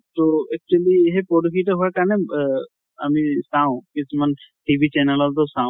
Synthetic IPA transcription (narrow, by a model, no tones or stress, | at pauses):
t̪oɛk̚t͡ʃueliɦepɔɖokʰiʈaɦoaɹkaɔne | amisãʊ̃kisʰumanʈibʱit͡ʃɛnɛlɔlt̪ɔsãʊ̃